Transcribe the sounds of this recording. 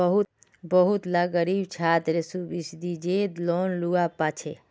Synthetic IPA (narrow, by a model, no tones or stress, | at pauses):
bəɦu | bəɦut̪laɡəɾibt͡ʃʰaːt̪ɾesubisd̪id͡ʒed̪loːnluapat͡ʃʰe